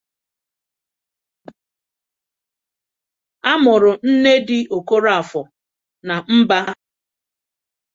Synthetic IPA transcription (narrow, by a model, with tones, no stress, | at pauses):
a˦mʊ˨ɾʊ˨n̩˦ne˦dɪ˦ʔo˨ko˦ɾa˦a˨fɔ˨ | na˨m̩˦ba˦